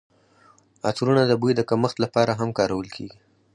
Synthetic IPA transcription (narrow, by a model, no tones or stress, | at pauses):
ɑt͡sɾunad̪əbujd̪əkaməxt̪lapɑɾaɦamkɑɾawəlkʰḛɡi